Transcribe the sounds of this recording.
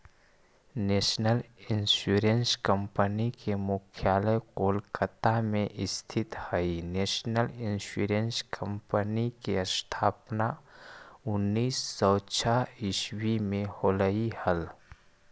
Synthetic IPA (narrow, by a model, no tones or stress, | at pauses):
neːʃnəlɪnsuːɾenskəmpənikemʊkʰjaːləjqoːlkət̪amẽʔɪst̪ʰɪt̪həineːʃnəlɪnsuːɾenskʰəmpənikeəst̪ʰaːpna | ʊnːiːsːɔːʃʰaɪʃwimẽhoːləihəl